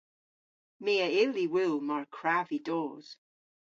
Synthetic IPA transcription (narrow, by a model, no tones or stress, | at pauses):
meːəɪliwɪlˠmaɹkʰɹavidɔːz̥